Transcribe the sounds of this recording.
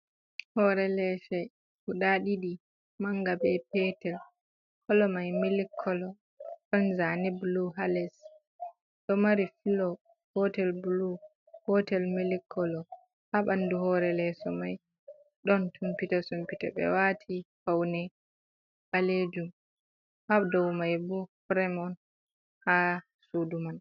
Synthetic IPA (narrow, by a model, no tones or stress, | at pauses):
hɔɾɛlɛʃɛj | kuɗaɗiɗi | maŋɡabɛpɛtɛl | kɔlɔmajmilikʰːɔlɔ | ɗɔnzanɛbluɦalɛs | ɗɔmaɾifilɔ | hɔtɛlbulu | hɔtɛlmilikʰːɔlɔ | haɓanduhɔɾɛlɛsɔmaj | ɗɔntʰumpitasumpita̰ɓɛ̰watʰifawnɛ | ɓaled͡ʒum | habdɔwmajbɔfɾɛmɔn | ha | suduman